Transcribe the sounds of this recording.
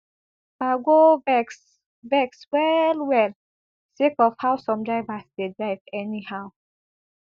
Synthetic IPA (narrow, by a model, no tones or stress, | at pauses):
baɡovɛks | vɛkswɛlwɛl | sekɔfhaʊsɔ̃mdɹaɪvasdedɹaɪvɛnihaʊ